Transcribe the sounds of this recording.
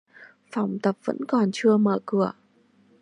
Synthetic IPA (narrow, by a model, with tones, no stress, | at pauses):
fa˧˩wŋ͡mt̪ə˨˩p̚və̰˧˥nkɔ˨˩nt͡ɕɨ˧əməː˧˩kɨ˧˩ə